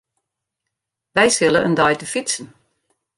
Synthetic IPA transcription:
ʋɛjsɪlˠənʔəndɔjtəfitsən̩

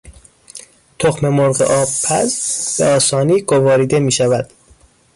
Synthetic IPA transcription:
t̪ʰoxme̞moɾɢḛʔɒːbpʰæzb̥eɒːsɒːniːɡovɒːɾiːd̪e̞miːʃævæd̪̥

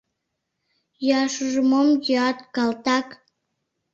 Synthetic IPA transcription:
jøɑʃuʒəmomjøɑt̪kɑlt̪ɑk

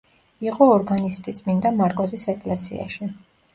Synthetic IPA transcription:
iqʼɔɔɾɡanist̪ʼit̪sʼmind̪amaɾkʼɔzisɛkʼlɛsḭa̰ʃi

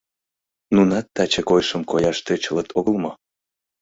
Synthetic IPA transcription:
nunɑt̪ːɑt͡ɕekojʃəmkojɑʃt̪et͡ɕələt̪ʰoɣəlˠmo

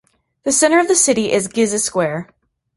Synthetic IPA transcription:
ðɨsɛ̃ɾ̃ə˞ʌvðɨsɪɾiʔɪzɡɪzɨskwɛɹ

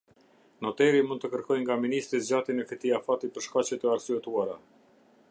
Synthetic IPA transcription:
nɔt̪ɛɾimund̪t̪əkəɾkɔjŋɡaminist̪ɾizd͡ʑat̪inɛfit̪iafat̪ipəɾʃkat͡ɕɛt̪əasyɛt̪uaɾa

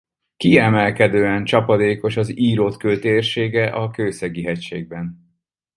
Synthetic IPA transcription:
kiɛmɛlkɛd̪øːɛnt͡ʃɒpɒd̪eːko̞ʃɒziːɾoːt̪køːt̪eːrʃeːɡɛʔɒkøːsɛɡiɦɛcʃeːɡ̚bɛn

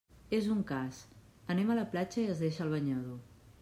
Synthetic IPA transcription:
ezuŋkas | ənɛmələplat͡ʃəiəzðeʃəlˠβ̞əɲaðo

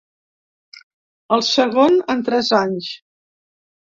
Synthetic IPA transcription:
əlˠsəɣonənt̪ɾɛzaɲs

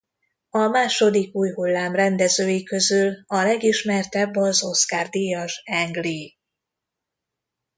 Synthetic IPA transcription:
ɒmaːʃo̞d̪ikuːjɦulːaːmrɛnd̪ɛzøːjikø̞zylɒlɛɡiʃmɛrt̪ɛbːɒzo̞skaːrd̪ijɒʒɛŋɡli

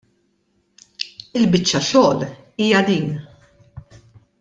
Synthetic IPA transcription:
ɪlbɪt͡ʃːɐʃɔːl | iːjɐd̪iːn

